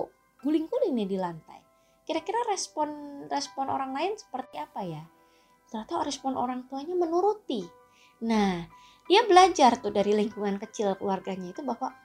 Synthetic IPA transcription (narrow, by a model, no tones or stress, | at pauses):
ɡ̥ulɪŋɡulɪŋnɪdilant̪a̰j | kiɾakiɾarɛspɔnrɛspɔnʔo̰ɾaŋlaɪnsə̥pərt̪iapaja | t̪əɾat̪awɾɛspɔnʔo̰ɾaŋt̪uaɲamənuɾut̪i | nah | d̥iabəlad͡ʒart̪ʊdaɾiliŋkuŋankət͡ʃɪlkəluarɡaɲait̪ubahwa